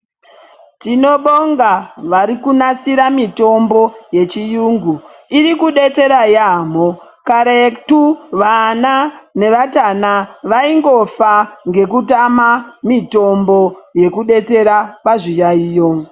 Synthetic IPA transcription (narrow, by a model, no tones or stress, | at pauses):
tino̞ɓoŋɡaʋaɾikunasiɾamito̞mbo̞je̞t͡ʃijuːŋɡuiɾikuɗe̞t͡se̞ɾajaːm̤o | kaɾektuʋanane̞ʋatanaʋaiŋɡo̞faŋɡe̞kutamamito̞mbo̞je̞kuɗe̞t͡se̞ɾapaʐijaiːjo̞